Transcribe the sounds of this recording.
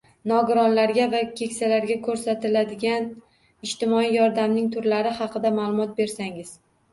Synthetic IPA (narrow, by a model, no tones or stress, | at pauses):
nɒɡʊɾɒnlaɾɡʲavakʲʰe̞kʲsalaɾɡʲakʰɵɾsat̪ɪlad̪ɪɡʲan | ɪʃt̪ɪmɒijɒɾd̪amnɪŋt̪ʰʊɾlaɾɪhɑqʰɨd̪amaːlˠʊmɒt̪̚be̞ɾsaŋɪz̥